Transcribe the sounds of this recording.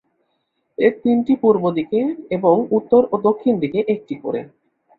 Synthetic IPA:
eɾt̪inʈipuɾbod̪ikeeboŋut̪ːoɾod̪okʰːind̪ikeʔek̚ʈiko̰ɾḛ

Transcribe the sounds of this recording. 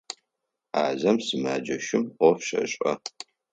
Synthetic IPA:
aːzɐmsɨmaːd͡ʒɐʃɪmʷɔfʃɐ̰ɕʼɐ

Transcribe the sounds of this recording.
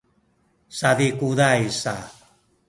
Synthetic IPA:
saðikudajsa

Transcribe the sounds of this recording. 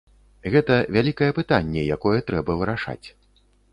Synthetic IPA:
ɣɛt̪ɐvʲalʲikɐjɛpɨt̪anʲːɛjakɔjɛt̪ɾɛbɐvɨɾaʂa̰t͡sʲ

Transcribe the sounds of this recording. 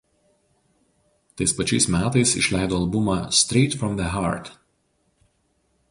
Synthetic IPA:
t̪ɐɪspɐt͡ʃʲɛɪsmʲæːt̪ɐɪsɪ̰ʃʲlʲæˑɪd̪oːɐlˠbʊmɑsʲt̪ʲɾʲɛɪt̪fɾɔmd̪ɛɦɑˑɾt̪

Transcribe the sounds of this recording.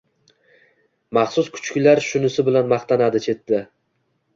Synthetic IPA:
mɑχsʊskʰʊ̥t͡ʃkʲɪlaɾʃʊnɪsɪbɪlanmaχt̪ʰanad̪ɪt͡ʃʰe̞t̪ːɪ

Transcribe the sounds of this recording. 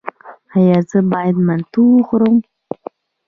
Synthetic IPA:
ajazɨbajdmantʰulχɾom

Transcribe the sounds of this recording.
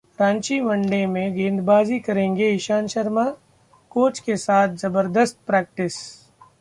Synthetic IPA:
ɾãːnt͡ʃimɐ̃ɳɖemẽɡẽːnd̪baːzikɐɾẽːŋɡeɪʃaːnʃəɾma | koːt͡ʃkesaːt̪̚ʰzɐbəɾd̪əst̪̚pɾɛːk̚ʈɪs

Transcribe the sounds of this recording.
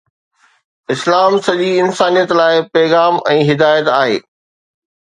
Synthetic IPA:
ɪslaːmsɐʄiɪnsaːnijət̪laːɪpɛːɣaːmɛ̃ːɦɪd̪aːjət̪aːɦḛː

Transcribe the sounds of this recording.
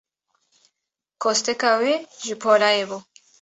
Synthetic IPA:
kost̪ekaweʒipʰolaebo

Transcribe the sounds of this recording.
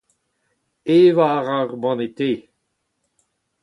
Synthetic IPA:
eːvaːʁaʁbɑ̃net̪eː

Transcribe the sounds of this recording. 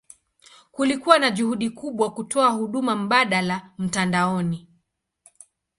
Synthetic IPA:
kulikuwanaʄuhuɗikuɓwakutɔahuɗumam̩ɓaɗalam̩tandaɔni

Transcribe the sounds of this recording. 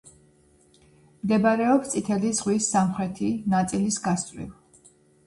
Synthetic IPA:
md̪ɛbaɾɛɔpst̪sʼit̪ʰɛlizʁwisːamχɾɛt̪ʰinat̪sʼilisɡast̪ʼwḭlˠ

